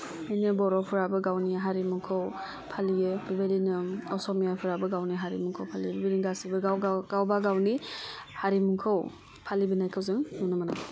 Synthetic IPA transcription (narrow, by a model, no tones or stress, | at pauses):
ɯjnɯbɔɾɔpʰɯɾabɯɡawniɦaɾimuŋkʰɯw | pʰalijɯbibadinɯɔsɔmijapʰɯɾabɯɡawniɦaɾimuŋkʰowpʰalibibedinɡasibɯɡawɡawbaɡawnihaɾimuŋkʰow | pʰalibɯnajkʰawzɯŋnunɯmana